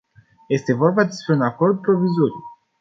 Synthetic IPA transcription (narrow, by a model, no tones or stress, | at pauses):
je̞st̪e̞vo̞rbad̪e̞spɾe̞unako̞rd̪̚pɾo̞vizo̞ɾiu